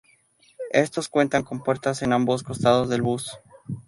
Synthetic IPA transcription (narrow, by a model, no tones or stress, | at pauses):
e̞st̪o̞skwe̞nt̪aŋko̞mpwe̞ɾt̪ase̞nambo̞sko̞st̪að̞o̞zðe̞lβus